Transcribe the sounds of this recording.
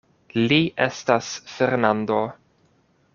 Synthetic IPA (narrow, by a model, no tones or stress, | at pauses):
liʔestasfeɾnando̞